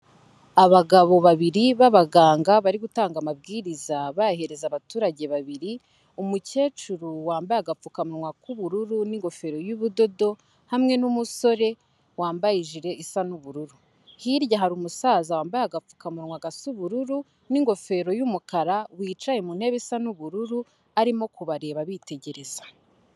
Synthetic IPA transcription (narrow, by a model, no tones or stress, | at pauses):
aβaɡaβo̞βaβiɾiβaβaɡaːŋɡaβaɾiɡutaːŋɡamab̚ɡiːɾizaβahe̞ɾe̞zaβatuːɾaɟe̞βaβiɾi | umuce̞ːt͡ʃuɾuwaːmbajaɡap͡fukamuɾŋwakuβuɾuɾuniŋɡo̞fe̞ɾo̞juβudo̞do̞ | hamŋe̞numuso̞ɾe̞ | waːmbajiʒiɾe̞ʔisanuβuɾuɾu | hiɾɟaɦaɾumusaːzawaːmbajaɡap͡fu̥kamuɾŋwaɡasuβuɾuɾu | niŋɡo̞fe̞ɾo̞jumukaɾawiːt͡ʃajemun̥he̞βesanuβuɾuɾu | aɾimo̞kuβaɾe̞ːβaβite̞ɟe̞ɾe̞z̥ḁ